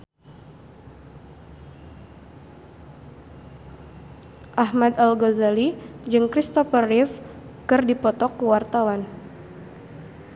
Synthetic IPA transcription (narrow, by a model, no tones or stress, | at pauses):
ʔahmad̪alɡozalid͡ʒɨŋkɾist̪ɔfərifkɨrdipɔt̪ɔkːəwart̪awan